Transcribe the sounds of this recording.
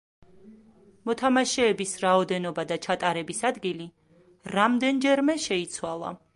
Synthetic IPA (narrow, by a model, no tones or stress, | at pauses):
mɔt̪ʰamaʃɛːbisɾaɔd̪ɛnɔbad̪at͡ʃʰat̪ʼaɾɛbisad̪ɡili | ɾamd̪ɛnd͡ʒɛɾmɛʃɛit̪sʰwalˠa̰